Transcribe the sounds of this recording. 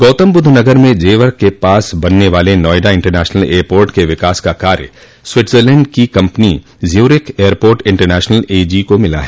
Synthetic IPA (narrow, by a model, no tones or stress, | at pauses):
ɡ̥oːt̪əmbʊd̪ʱːnɐɡəɾmẽd͡ʒeːʋəɾkːepaːsbɐnːeʋaːlenɔːjɖaɪ̃ɳʈəɾnɛːʃnəleːəɾpoːɾʈkeʋɪkaːskakaːɾjə | swɪʈʰzəɾlɛ̃ːɳɖkikɐ̃mpni | zjuːɾɪkeːəɾpoːɾʈɪ̃ɳʈəɾnɛːʃnəleːd͡ʒikomɪla̰ɦɛː